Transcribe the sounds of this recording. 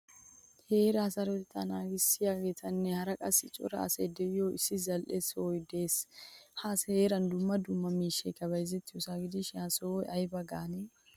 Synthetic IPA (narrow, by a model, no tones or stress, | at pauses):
heːɾɐːsɐɾɔɪt̪ːɐnaːɡɪsɪjaɡeːt̪ʰɐnːɛhɐɾɐkʼɐsɪt͡ʃʼʊ̰ɾɐ̰ːsejd̪ɛɪjoːɪsːɪzɐlʔesojd̪e̞ːshaːsheːɾɐnd̪ʊmːɐd̪ʊmːɐmiːʃːɐkɐbɐjzɛt̪ːɪjʊsaːɡɪd̪ɪʃɪasojɐjbɐɡaːne